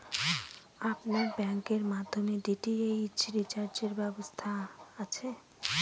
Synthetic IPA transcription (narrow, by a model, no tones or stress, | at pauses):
apnaɾbɛŋkeɾmad̪ʱːomeɖiʈiejt͡ɕɾit͡ɕaɾd͡ʑeɾbɛbost̪ʰaat͡ɕʰe